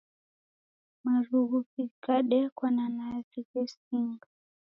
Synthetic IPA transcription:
maɾuɣufikaɗɛkwananazikɛsiŋɡa

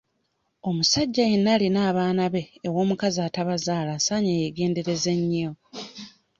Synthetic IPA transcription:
o̞musaɟːaje̞nːalinaːβaːnaβe̞ːwo̞ːmukazaːtaβazaːlasaːɲajeɡe̞ːnde̞ɾe̞ze̞ɲːo

